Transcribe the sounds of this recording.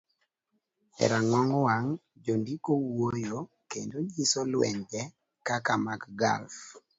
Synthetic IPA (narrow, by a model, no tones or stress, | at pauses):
ɛ̰ɾaŋwɔŋwaŋ | d͡ʒondikowojo | kendod͡ʒisɔlwɛ̰ɲd͡ʒɛ | kakamaɡɡa̰lf